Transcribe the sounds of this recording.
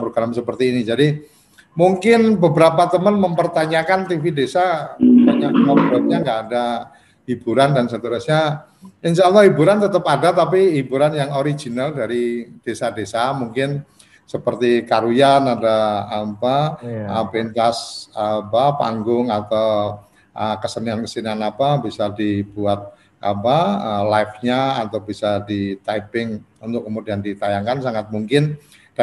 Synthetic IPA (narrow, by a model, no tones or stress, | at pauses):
pɾoɡɾamsəpərt̪iːnid͡ʒadi | muŋkɪnbəbəɾapat̪əmənməmpərt̪aɲakant̪ifidesabaɲakamabubap̚ɲaŋɡaːda | hibuɾandansət̪uɾʊsɲa | insaəlahɦibuɾant̪ət̪əpadat̪apiɦibuɾanjaŋoɾid͡ʒinaldaɾid̥esadesamuŋkɪn | səpərt̪ikaɾujanadaːpa | pɾint̪asapapa̰ŋɡʊŋat̪aw | ʔəkəsəniankəsinanapabisadibuat̪̚ | ʔa̰paəlajfɲaat̪awbisadit̪ajpɪŋunt̪ʊkːəmudiandit̪ajaŋkansaŋat̪̚muŋkɪn | d̥a